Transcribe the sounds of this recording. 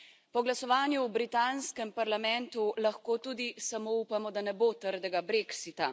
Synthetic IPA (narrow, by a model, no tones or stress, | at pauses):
pɔɡlasɔʋaːnjuwbɾit̪anskɛmpaɾlamɛnt̪ulaxkoːt̪uːd̪isamoupamɔd̪anɛboːt̪əɾd̪ɛɡabɾeksit̪a